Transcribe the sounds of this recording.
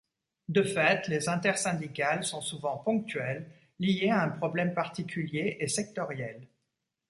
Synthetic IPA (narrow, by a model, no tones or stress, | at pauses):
d̪əfɛt̪lezɛ̃t̪ɛʁsɛ̃d̪ikalsɔ̃suvɑ̃pɔ̃k̚t̪ɥɛlː | ijeaɛ̃pχɔblɛmpaʁt̪ikʲʰyljeʔesɛk̚t̪ɔʁjɛl